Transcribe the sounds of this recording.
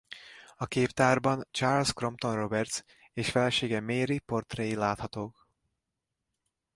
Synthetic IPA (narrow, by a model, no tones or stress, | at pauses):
ɒkeːpt̪aːrbɒnt͡ʃaːrlskro̞mpt̪o̞nro̞bɛrt̪s | eːʃfɛlɛʃeːɡɛmeːɾipo̞rt̪rɛilaːt̪hɒt̪oːk